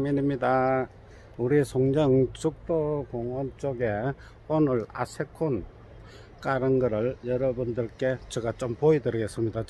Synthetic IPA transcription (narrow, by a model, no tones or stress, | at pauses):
miɲimɲida | uɾisʰoŋd͡ʑʌŋt͡ɕuk̚t͈okoŋʌnt͡ɕ͈oɡe̞ | onɯɭa̰sʰekʰon | k͈aɾɯnɡʌɾɯɭjʌɾʌbundɯɭk͈e̞t͡ɕeɡat͡ɕ͈ompoidɯɾɯɡe̞s͈ɯmɲida